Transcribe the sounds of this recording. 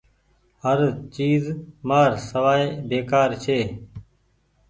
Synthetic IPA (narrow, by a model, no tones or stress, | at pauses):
həɾt͡ʃiːzmaːɾsəʋaːebeːkaːɾt͡ʃʰeː